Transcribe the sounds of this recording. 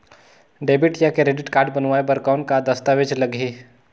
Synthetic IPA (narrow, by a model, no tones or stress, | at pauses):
ɖeːbɪʈjakeɾeːɖɪʈkaːɾɖ̚bənʋaːebəɾkaːnkad̪ɐst̪aʋed͡ʒlɐɡʱeː